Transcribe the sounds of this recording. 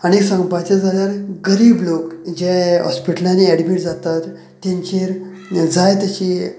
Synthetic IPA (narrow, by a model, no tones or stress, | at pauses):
añeksə̃ŋɡpat͡ɕad͡zʱaljaɾɡəɾiːblokd͡ʑɛ̃ɦɔ̰spiʈəlaniɛɽbiːʈd͡zat̪at̪ː | ãɲt͡ɕeɾ | d͡zʱajt̪jat͡ɕi